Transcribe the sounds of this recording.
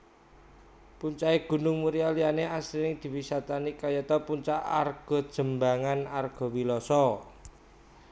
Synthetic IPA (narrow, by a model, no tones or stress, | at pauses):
puɲt͡ʃaeɡ̥ṳnʊŋmuɾialianeasɾinɪŋd̪̥i̤wisat̪anikajɛt̪ɔpuɲt͡ʃaʔa̰rɡ̥ɔ̤d̥ʒ̥ə̤mbaŋanarɡ̥ɔ̤wilɔsɔ